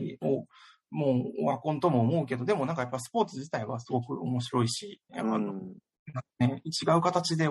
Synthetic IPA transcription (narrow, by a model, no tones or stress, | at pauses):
io | moːo̰βakõ̞nt̪o̞mo̞ːmo̞ɯ̟ke̞d̪o̞d̪e̞mo̞nãŋkajapːas̬ɨ̥po̞ːt͡sɨʑit̪aiβasɨɡo̞kɯ̟o̞mo̞ɕiɾo̞iɕiano | nane̞it͡ɕiɡaɯ̟kat̪at͡ɕid̪e̞